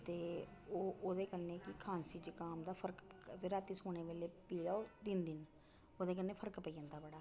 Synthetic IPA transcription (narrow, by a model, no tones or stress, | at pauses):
t̪eːoːʔoːd̪eːkəneːkɪkʰaːnsiːd͡ʒkaːmd̪aːpʰəɾkʋɪɾaːt̪iːsoːneːʋeːleːpiːd̪aːoːd̪ɪnd̪ɪn | oːd̪eːk̬ənːeːpʰəɾkpəiːd͡ʒə̃ːnd̪aːbəɽaː